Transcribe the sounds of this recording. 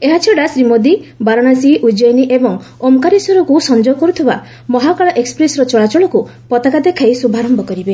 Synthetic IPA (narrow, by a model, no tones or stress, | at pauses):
eɦat͡ʃʰɔɽasɾimod̪ibaɾɔɽ̃asiʔud͡ʒɔjniʔebɔŋ | omkaɾisɔɾɔkusɔnd͡ʒɔkɔɾut̪ʰiba | mɔɦakaɭɔʔekspɾesɾɔt͡ʃɔɭat͡ʃɔɭɔku | pɔt̪akad̪ekʰajsubʱaɾɔmbɔkɔɾibe